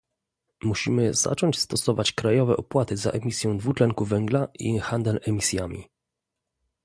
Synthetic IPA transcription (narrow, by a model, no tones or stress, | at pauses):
muɕimɘz̥a̰t͡ʂɔɲt͡ɕst̪ɔsɔvat͡ɕkɾajɔvɛʔɔpwat̪ɘza̰ʔɛmʲisʲjɔ̃w̃d̪vut͡ʂlɛŋkuvɛŋɡlaʔḭxand̪ɛlɛmʲisʲjamʲḭ